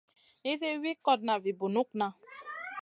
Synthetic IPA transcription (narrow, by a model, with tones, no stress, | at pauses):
i˦ze˦wi˦kɔ˦d̚na˨vi˨bu˨nu˦k̚na˦